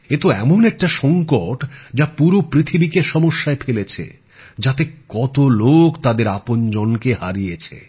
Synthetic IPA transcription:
et̪oɛ̰monɛk̚ʈaʃɔŋkoʈd͡ʑapuɾopɾit̪ʰibikeʃɔmoʃːaepʰelet͡ɕʰḛ | d͡ʑat̪ekɔt̪olokt̪ad̪eɾapond͡ʑɔnkehaɾijet͡ɕʰḛ

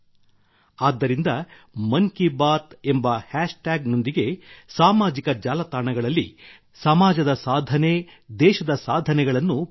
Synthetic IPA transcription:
aːd̪ːɐɾind̪ɐ | mɐŋkibaːt̪e̞mbɐhaːʂʈaːɡno̞nd̪iɡe̞saːmaːd͡ʒikɐd͡ʒaːlɐt̪aːɳɐɡɐɭɐlːi | sɐmaːd͡ʒɐd̪ɐsaːd̪ʱɐne̞d̪ɛːʃɐd̪ɐsaːd̪ʱɐnɛɡɐɭɐnːu

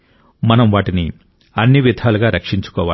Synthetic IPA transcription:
mɐnɐmʋaːʈini | ɐnːiʋid̪ʱaːluɡaːɾɐkʂiɲt͡ʃu̥kɔːʋaː

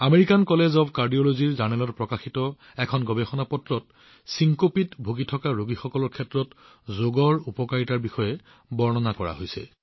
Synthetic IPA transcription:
ameɹikankɔlezɔbkaɹdijoloziɹzanɛlɔtpɹɔkaxitɔ | ɛkʰɔnɡɔbɛxɔnapɔtɹɔt̚ | siŋkopitbʱoɡitʰɔkaɹoɡixɔkɔlɔɹkʰɛtɹɔt | zoɡɔɹupɔkaɹitaɹbixɔjɛ | bɔɹnɔnakɔɹa̰ɦojsɛ̰

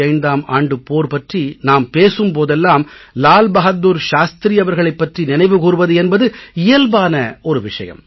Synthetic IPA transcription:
ɐɪnd̪aːma̰ːɳɖɯpoːɾpɐʈrinaːmpeːsɯmpoːðɛlːaːmlaːlbɐɣɐuːɾʃaːst̪ɾiɐʋɐɾɣɐɭɐɪpːɐʈrinɪnɐɪʋɯkuːɾɯʋɐðɯɛnbɐðɯɪjɐlbaːnɐɔɾɯʋɪʂɐ̰jɐ̰m

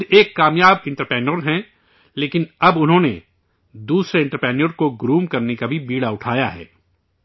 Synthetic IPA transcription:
eːkːaːmjaːbɪ̃ɳʈəɾpɾɛːnəɾɦɛ̃ | leːkɪnɐbʊnɦõːnḛ | d̪uːsɾeɪ̃ɳʈəɾpɾɛːnəɾkoɡɾuːmkɐɾnekabʱibiːɽaʊʈʰaːjaɦɛ̰ː

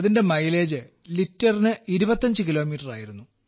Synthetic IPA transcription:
ɐðinde̞mɐjle̞ːd͡ʑɨ | litːɐrinɨiɾubɐt̪ːɐɲd͡ʑɨkilo̞ːmiːʈːɐra̰ːjiɾunːu

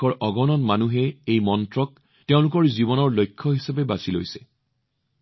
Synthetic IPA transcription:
ɔɹʔɔɡɔnɔnmanuɦɛejmɔntɹɔk | teʊ̃lʊk̬ɔɹzibɔnɔɹlojkʰːɔɦisapɛbasilojsɛ̥

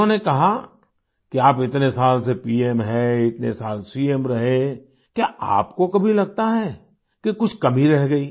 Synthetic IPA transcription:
õnekɐɦa | kiaːpɪt̪nesaːlsepiːemɦɛɪt̪nḛsaːlsiːemɾɐɦẽ | kjaʔa̰ːpkokɐbʱilɐɡ̚t̪aɦɛː | kekʊt͡ʃʰkɐmiɾɛɦɡɐiː

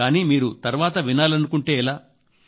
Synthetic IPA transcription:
aːniːmiːɾut̪ɐɾʋaːt̪ɐʋinaːlɐnukuɳʈe̞ːɛlaː

